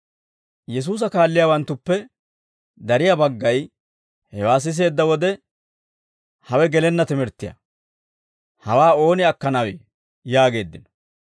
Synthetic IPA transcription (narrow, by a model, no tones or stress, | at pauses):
jɛs̬uːs̬ɐkaːlːɪjawɐnt̪ːʊpːɛ | d̪ɐɾɪjabɐɡːɐj | hɛwaːs̬ɪs̬e̞ːd̪ːɐwɔd̪ɛ | hɐwɛɡɛlɛnːɐt̪ɪmɛɾt̪ːɪjɐ̰ | hɐwaːo̞ːnɪɐkːɐnɐweː | jaːɡe̞ːd̪ːɪnɔ̥